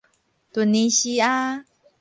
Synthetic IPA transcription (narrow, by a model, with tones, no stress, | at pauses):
t̪u˧nĩ˧ʃi˧a˦